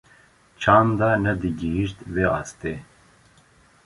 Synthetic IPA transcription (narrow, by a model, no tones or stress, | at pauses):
t͡ʃʰaːnd̪anɛd̪iɡiɦiʃt̪veɑ̰ːst̪e